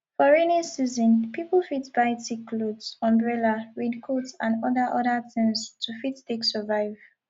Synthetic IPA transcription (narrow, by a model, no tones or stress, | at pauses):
fɔɹenisizɔ̃npipl̩ˠfitbaɪtikʰlodsɔ̃mbɹɛlaɹĩdkʰotsãnɔðəʔɔdəθĩŋstʰufitteksəvaɪv̥